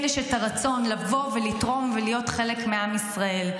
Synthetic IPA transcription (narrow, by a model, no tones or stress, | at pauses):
neʃetaʁat͡so̞nlavo̞velitʁo̞mvelijo̞t̪χe̞lekmeamisʁae̞l